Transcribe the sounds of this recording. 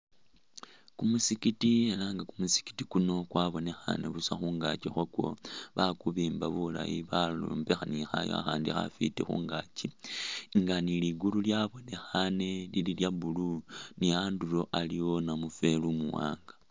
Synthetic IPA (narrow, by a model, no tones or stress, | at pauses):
kumusikitielaːŋɡakumusi̥ki̥ti̥kuno̞kwaβo̞ne̞xa̰ne̞̰βusaxuːŋɡat͡ʃixwokwo̞̰βakuβiːmbaβula̰jiβaluːmbexanixajoa̰xaːndixa̰fḭtexṵːŋɡaciŋɡaniliɡululjaβo̞ne̞xane̞lililjaβuluniaːndulo̞ʔalijo̞namufe̞lumuwa̰ːŋɡḁ